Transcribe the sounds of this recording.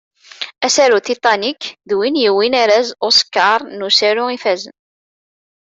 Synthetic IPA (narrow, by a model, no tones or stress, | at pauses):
æsæɾut̪it̪ˤɑnikðwinjiwinaɾæzoskːɑɾˤnusæɾuifæzən